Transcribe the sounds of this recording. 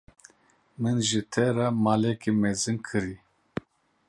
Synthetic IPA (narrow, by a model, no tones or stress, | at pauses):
mɨnʒɨt̪ʰɛɾamaːlɛkimɛzɨnkʰɨɾi